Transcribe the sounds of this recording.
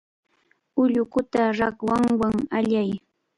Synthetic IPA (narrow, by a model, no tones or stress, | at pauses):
ʊʎʊkʊt̪aɾakwaŋwaŋaʎaj